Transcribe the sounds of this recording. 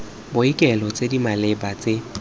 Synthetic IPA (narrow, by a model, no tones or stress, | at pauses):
bʊikʼɛlɔt͡sʼedimalɛbat͡sʼe